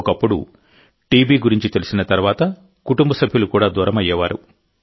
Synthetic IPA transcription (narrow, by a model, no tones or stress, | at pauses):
kɐpːuɽṵ | ʈiːbiːɡuɾiɲt͡ʃit̪e̞lusinɐt̪ɐɾʋaːt̪ɐ | kuʈumbɐsɐbʱjulukuːɽaːd̪uːɾɐmɐjːɛːʋaːɾṵ